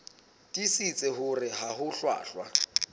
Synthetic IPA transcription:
dʼisit͡sʼɛhʊrɪɦahʊɬwa̰ːɬwa

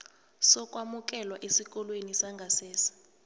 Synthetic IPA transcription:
sɔkʼwamuk̬ʼɛlwaʔesik̬ʼɔlwenisaŋɡʱasɛːsḁ

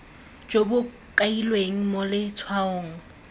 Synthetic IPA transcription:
d͡ʒobʊ | kʼailweŋ̩molɪt͡sʰwaoːŋ̩

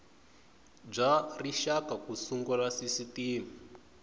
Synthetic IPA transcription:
b͡ʐariʃakakusuŋɡɔlasisitiːmi

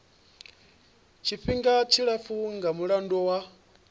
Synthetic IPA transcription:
t͡ʃʰiɸiŋɡat͡ʃʰiɺafuŋɡamuɺandɔwa

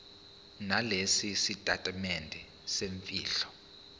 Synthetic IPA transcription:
nalesisitʼatʼamɛndʱɛ | seɱfʼiːɬɔ̥

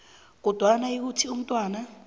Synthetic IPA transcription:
k̬ɔd̥ʱwanaik̬utʰium̩tʼwaːna

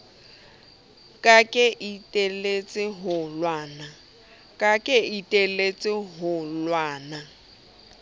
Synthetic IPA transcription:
kʼakʼɪʔitʼelet͡sʼɪɦʊlwaːna | kʼakʼɪitʼelet͡sʼɪɦʊlwaːna

